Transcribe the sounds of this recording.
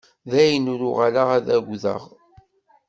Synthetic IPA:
ðæjənuɾʊʁalaʁæðæɣʷðə̰ʁ

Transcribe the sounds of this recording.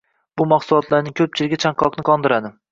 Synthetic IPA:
b̥ʊmɑχsʊlˠɒt̪ʰlaɾnɪŋkʲʰɵp̚t͡ʃʰɪlɪɡʲɪt͡ʃʰaŋqʰɒqnɪqʰɒnd̪ɪɾad̪ɪ

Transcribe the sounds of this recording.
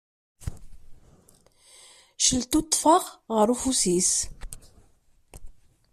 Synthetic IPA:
ʃəlt̪ot̪ˤːfəʁʁəɾufusis

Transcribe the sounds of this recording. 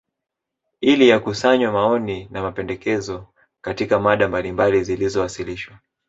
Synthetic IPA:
ilijakusaɲwamaɔninamapɛndɛkɛzɔ | katikamaɗambalimbalizilizɔwasiliʃwa

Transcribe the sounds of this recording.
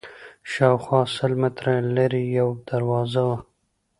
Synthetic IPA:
ʃɑːwxwɑsəlmɪt̪ɾalaɾijawd̪̥aɾwɑzawa

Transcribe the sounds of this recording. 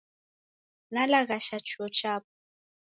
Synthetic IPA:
nalaɣaʃat͡ʃuɔt͡ʃaːp̚ɔ

